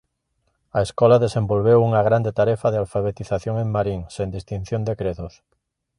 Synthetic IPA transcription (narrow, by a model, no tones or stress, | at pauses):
aeskolaðesẽmbolβ̞ewuŋaɣ̞ɾand̪et̪aɾefað̞ealfaβ̞et̪iθaθjoŋẽŋmaɾiŋsend̪ist̪in̟θjond̪ekɾeðos